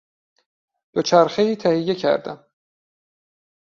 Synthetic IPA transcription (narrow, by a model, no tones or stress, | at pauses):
d̪̥ot͡ʃʰæɾxeiːt̪ʰæhijːe̞cʰæ̰ɾd̪æ̰m